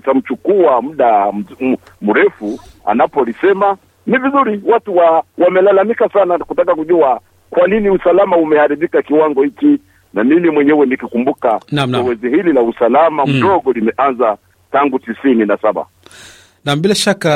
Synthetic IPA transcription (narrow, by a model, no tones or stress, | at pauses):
tam̩t͡ʃukuam̩ɗa | muɾɛfua̰napɔlisɛma | nivizuɾiwatuwawamɛlalamikasanakutakakuʄua | kwaniniusalamaumɛhaɾiɓikakiwaŋɡɔhiki | namimimwɛɲɛwɛnikikumbukanam̩nɛwɛzihililausalamamm̩ɗɔɡɔlimɛʔanza | taŋɡutisininasaɓa̰ | naɓilaʃaka